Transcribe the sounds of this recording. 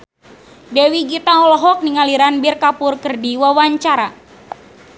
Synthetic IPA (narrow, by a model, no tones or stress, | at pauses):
dɛwiɡit̪aɔlɔɦɔk̚niŋaliɾanbirkapʊrkɨrdiwawaɲt͡ʃaɾa